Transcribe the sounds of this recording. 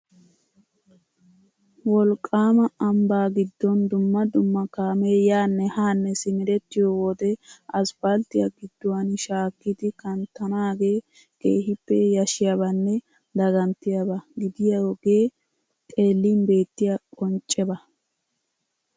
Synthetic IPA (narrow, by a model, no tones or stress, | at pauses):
wɔlkʼːaːmɐɐmbaːɡɪd̪ːɔnd̪ʊmːɐd̪ʊmːɐkaːmeːjaːnːɛhaːnːɛsɪmɪɾɛt̪ːɪjowɔd̪ɛɐsb̥ɐlt̪ɪjɐɡɪd̪ːɔwɐnʃaːkːɪd̪ɪkɐnt̪ɐnaːɡe̞ː | ke̞ːhɪpːɛjɐʃɪjabɐnːɛ | d̪ɐɡɐnt̪ɪjɐbɐɡɪd̪ɪjawɔɡeː | kʼe̞ːlːinbe̞ːt̪ːɪjakʼɔnt͡ʃʼːɛbɐ